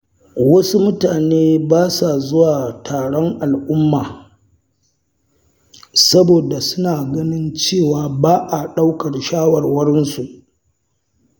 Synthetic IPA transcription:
wɐ˦su˦mʊ˦taː˨neː˦baː˦sa˨zʊ˦waː˨tʰaː˨ɽɔ˦ŋʔa˨lʔʊ˦mːaː˨ | sɐ˦boː˨da˨sʊ˦naː˨ɡɐ˦nɪ˦nt͡ʃeː˦˨waː˨baː˦ʔa˨ɗa˦wkɐ˨rʃaː˦wɐ˨rwɐ˦ɾɪ˦nsu˨ʔ

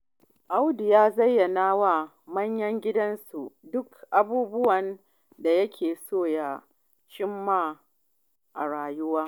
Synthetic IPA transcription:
ʔa˦wdɪ˨jaː˦zɐ˦jːɐ˨naː˦wa˦˨ | mɐ˦ɲjɐ˦ŋɡʲɪ˦dɐ˦nsu˨dʊ˦kʔa˨buː˦bʊ˦wɐ˨n | da˨jɐ˦kʲʰeː˨soː˦˨ja˨ | ʃɪ˦mːa˦˨ | ʔa˨ɽaː˨jʊ˦waː˦

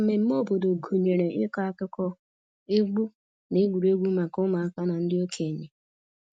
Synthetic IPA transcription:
me˨m̩˦mo˦˨bo˨do˨ɡu˨ɲe˨ɾe˨ʔɪ˦kɔ˦a˦kɪ˦kɔ˦ | e˦ɡu˦ | ne˦ɡʷu˨ɾe˦ɡʷu˦ma˨kʊ˦ma˨a˦ka˦na˨n̩˦dɪ˦o˦kʰe˨ɲe˨

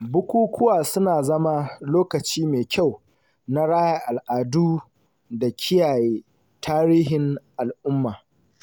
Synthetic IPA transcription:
bʊ˦kʷuː˦kʷʰʊ˦waː˨sʊ˦naː˨zɐ˦ma˦loː˦kɐ˨t͡ʃiː˦meː˨kʲa˦˨w | na˦ɽaː˦ja˦ʔa˨lʔaː˨duː˦ | da˨kʲʰɪ˦jaː˨jeː˦ | tʰaː˦ɾiː˦hɪ˨ŋʔa˨lʔʊ˦mːaː˨

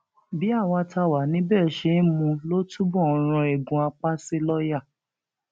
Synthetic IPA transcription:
bi˨˦a˦˨wã˧ta˧wa˨˦nĩ˨˦bɛː˦˨ʃe˦mũ˧lo˦tu˦bɔ̃˦˨˧ɾ̃ɔ̃˧e˨ɡũ˨a˧k͡pa˦si˦lɔ˦ja˦˨

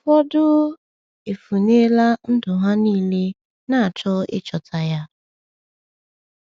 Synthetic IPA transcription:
fɔ˦dʊ˦ | e˨fu˨ne˦la˦n̩˦dʊ˨ɦa˦niː˦le˦ | na˦˨a˨t͡ʃɔ˦ɪ̰˦t͡ʃɔ˨tʰa˨ja˦

